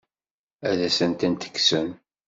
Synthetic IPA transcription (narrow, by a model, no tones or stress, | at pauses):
æðæsənt̪ænt̪ə̥kːsən